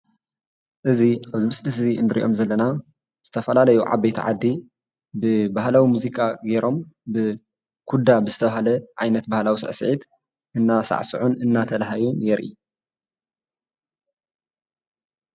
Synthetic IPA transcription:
ʔɨziʔaβzɨmɨsʼlɨziɨ̰nːɨɾḭʔo̞̰mzɐlːɐna | z̥ɨt̪ʰɐfɐlalɐjuʕa̰bɐjt̪ʰḭʕa̰d̪ːi | bɨbaɦlawimuzikʼaɡeɾo̞mbɨ | kʰud̪abɨzɨt̪ʰɐβaɦalɐʕa̰jnɐt̪̚bahlawisɨ̰ʕsɨ̰ʕit̪ | ʔɨnːasa̰ʕsɨ̰ʕunɨnːat̪ʰɐlɦajunjɛɾʔḭ

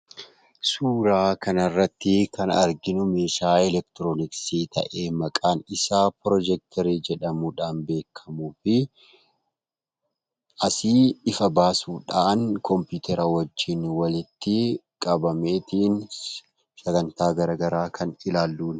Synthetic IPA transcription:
suːɾaːkɐnɐrːɐt̪ːɪkɐnɐɾɡɪnʊme̞ːʃaːɛlɛk̚t̪ɪɾoːnɪksiːt̪ɐ̰ʔe̞ːmɐkʼaːnɪsaːpɾɔd͡ʒɛk̚t̪ʰɛɾiːd͡ʒɛᶑɐmuːᶑaːnbe̞ːkʰːɐmuːfɪ | ɐsɪɪfɐbaːsuːᶑaːnkʰɔmpuːt̪ʰɛɾɐwɐd͡ʒːɪnwɐlɪt̪ːɪ | kʼɐbɐme̞ːt̪iːn | sɐɡɐnt̪aːɡɐɾɐɡɐɾaːkʰɐnɪlaːlːuːn

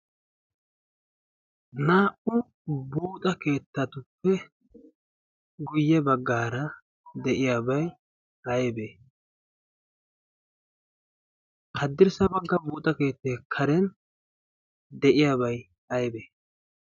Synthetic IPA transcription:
naːʔʊ | buːt̪ʼɐke̞ːt̪ːɐt̪ʊpːɛ | ɡʊjːɛbɐɡːaːɾɐ | d̪ɛʔɪjaːbɐj | ʔɐjbeː | hɐd̪ːɪɾsɐbɐɡːɐbuːt̪ʼɐke̞ːt̪ːeːkʰɐɾɛn | d̪ɛʔɪjaːbɐj | ɐjbeː

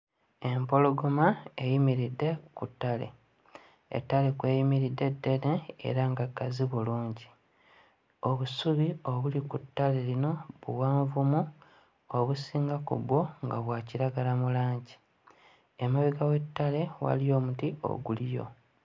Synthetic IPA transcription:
e̞mpo̞lo̞ɡomaejimiɾidːe̞kutːalḛ | ḛtːale̞kwe̞ːjimiɾidːe̞dːe̞neḛɾaŋɡakːaziβuluːɲɟi | o̞βusuβio̞βulikutːale̞lino̞βṵwaːɱvumu | oβusiːŋɡakṵβwo̞ŋɡaβwaːciɾaɡalamulaːɲɟi | emaβiɡawetːale̞wa̰lijo̞ːmutio̞̰ɡulijo̞̰

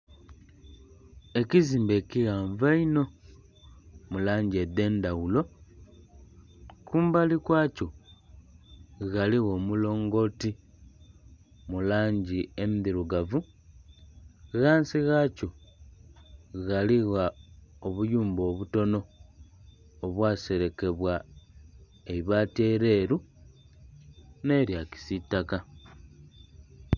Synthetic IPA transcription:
e̞ciziːmbe̞ːciɣaːɱvaino̞ | mulaːɲɟie̞d̪e̞ːndaɣulo̞ | kuːmbalikwaːco̞ | ɣaliɣo̞ːmulo̞ːŋɡo̞ti | mulaːɲɟiemiðiɾuɡavu | ɣaːnsiɣaco̞ | ɣaliɣaoβujuːmbo̞βuto̞no̞ | βwaːse̞ɾe̞ke̞βwa | eβateɾe̞ːɾu | ne̞ɾjaci̥sitːaka

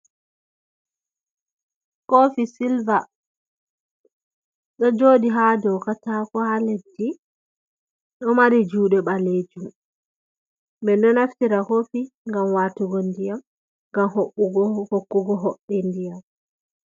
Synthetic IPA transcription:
kofisilva | ɗɔd͡ʒoːdiɦadɔwkataːkɔhaledːi | ɗɔmaɾid͡ʒuːɗɛɓaled͡ʒum | bɛnɔnaftiɾakofiŋɡamwaːtuɡondijam | ŋɡamhoɓːuɡɔhokːuɡɔɦɔɓːɛndijam

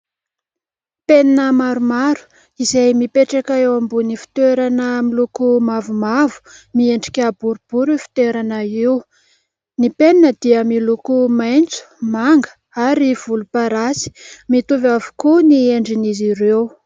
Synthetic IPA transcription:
peninəmaɾumaɾu̥ | izajmipeʈ͡ʂakaewambunifi̥t̪eɾanəmilukumavumavu̥mieɳɖ͡ʐi̥kʲabuɾub̥uɾifi̥t̪eɾanəiw | nipeninəd̪iəmilukumajnt͡su̥maŋɡə̥ | aɾiv̥ulupaɾasi̥mit̪uvavu̥kunieɳɖ͡ʐiniziɾew

